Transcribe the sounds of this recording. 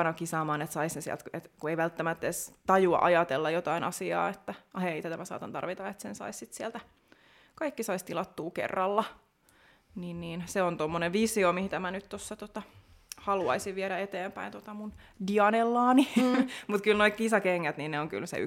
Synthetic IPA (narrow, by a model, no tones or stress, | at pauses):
nɑkisɑːmɑːnet̪sɑisensiɛ̰lt̪et̪kueiʋælt̪ːæmæt̪ːeːst̪ɑjuɑ̰ʔɑjɑt̪elːɑjot̪ɑinɑ̰siɑ̰ːet̪ːæɑheit̪æt̪æmæsɑ̰ːt̪ɑnt̪ɑ̰rʋit̪ɑet̪sensɑ̰issit̪siɛlt̪æ | kɑikːisɑist̪ilɑt̪ːuːkḛrːɑlːɑ | niːnniːnseont̪omːoneʋʋisiomihit̪æmænyt̪t̪osːɑt̪ot̪ɑ | hɑluɑ̰isiʋʋieɾæet̪eːmpæint̪ot̪ɑmundiɑnelːɑːnimut̪kylnoikkisɑkeŋːæt̪ninneoŋky̰lsḛy̰